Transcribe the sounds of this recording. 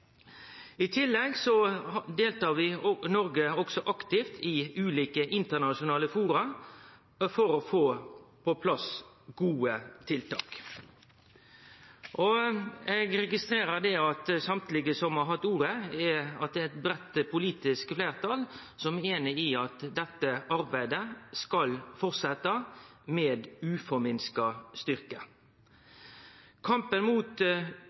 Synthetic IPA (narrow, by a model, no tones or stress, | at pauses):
ɪt̪ʰɪlːɛɡsɔd̪eːlt̪ɑːɾʋɪnɔɾɡəɔɡ̥sɔʔɑkt̪ɪft̪ʰɪʉːliːkəʔɪnt̪ənɑʃʊnɑːləfuːɾɑ | fɔɾɔfoːpʰɔpʰlɑs | ɡ̥uːət̪ʰɪlt̪ʰɑ̰ːk | ʔɔɛɡɾɛɡɪst̪ɾeːɾəd̪ɛɑt̪sɑmt̪lɪɡəsɔmhɑɾɦɑt̪ːuːɾəɛɑt̪̚d̪ɛɛt̪bɾɛt̪ːpʰʊliːt̪ɪskfleːɾt̪ʰɑl | sɔmɛeːnɪɪɑt̪d̪ɛt̪ːəʔɑɾbæɪd̪əskɑlfɔʁsɛt̪ːɑmeːd̪ʉːfɔmɪnskɑst̪ʏɾkə | kʰɑmpənmuːt̪